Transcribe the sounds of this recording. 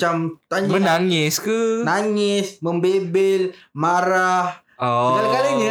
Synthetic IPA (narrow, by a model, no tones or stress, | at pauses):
amt̪aɲmənaŋɪskənaŋɪsməmbebɪlmaɾah | ɔɡalkaləɲə